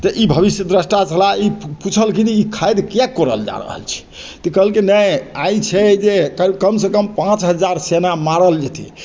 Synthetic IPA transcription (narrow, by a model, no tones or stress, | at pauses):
t̪əʔibʱəβisjəd̪ɾəsʈat͡ʃʰəlaiput͡ʃʰəlkiniikʰajd̪kjakːɔɾəld͡ʒa̰ɾə̰ɦə̰lt͡ʃʰɛ̥ | t̪əkəɦəlkenəjajt͡ʃʰɛd͡ʒekkəmsekəmpãt͡ʃɦəd͡ʒaɾsenamaɾəld͡ʒet̪ʰḭ